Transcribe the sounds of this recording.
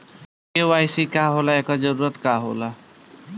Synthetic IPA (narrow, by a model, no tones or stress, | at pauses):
keʋajsikaɦolaekad͡ʒəɾuːɾət̪kaɦo̰la